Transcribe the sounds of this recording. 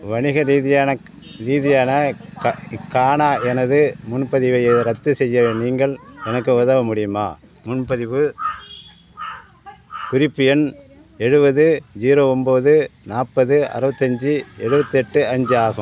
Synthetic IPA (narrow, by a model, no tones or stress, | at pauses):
ʋɐɳɪɣɐɾiːðɪjaːnɐ | ɾiːðɪjaːnɐ | kːaːɳaːʔɛnɐðɯmʊnpɐðɪʋɐɪɾɐt̪ːɯsɛjːɐniːŋɡɐɭɛnɐkːɯoðɐːʋɐmʊɽɪjɯma̰ː | mʊnpɐðɪʋɯ | kʊɾɪpːɯjɐn | ɛɻɯbɐðɯd͡ʒiːɾoːɔmboːðɯnaːpːɐðɯɐ̰ɾɯʋɐt̪ːɐɲd͡ʒɯɛɻɯbɐt̪ːɯɛʈːɯɐɲd͡ʒɯaːɣɯ̰m